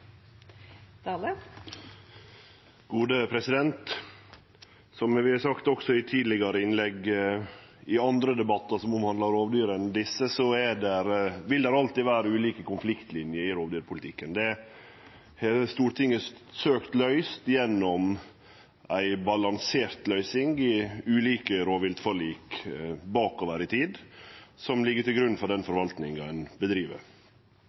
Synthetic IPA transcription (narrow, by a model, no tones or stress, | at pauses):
d̪ɑːlə | ɡ̥uːd̪əpʰɾɛsɪd̪ɛnt̪ | sɔmʋɪɑsɑkt̪ɔksɔɪt̪ʰiːd̪lɪɡəɾəɪnlɛɡ | ɪɑnd̪ɾəd̪ɛbɑt̪ːəsɔmɔmhɑnd̪ɑɾoːʋd̪yːɾɛnd̪ɪsːəsɔɛɖɛɾʋɪld̪ɛɾɑlt̪iːʋæːɾəʉːliːkəkʊnflɪkt̪lɪnjəɪɾoːʋd̪yːɾpʰʊlɪt̪ʰɪkːənd̪ɛ | hɛst̪uːɾt̪ʰɪŋːəsøːkt̪lœʏst̪jɛnːɔm | ʔæɪbɑlɑŋseːɾt̪lœʏsɪŋɪʉːliːkəɾoːʋɪlt̪fɔliːkbɑːkoːʋəɾɪt̪ʰiːd̪sɔmlɪɡːəʈɪlɡɾʉn̩fɔɖɛnfɔɾʋɑlt̪nɪŋɑɛnbəd̪ɾiːʋə̰ɾ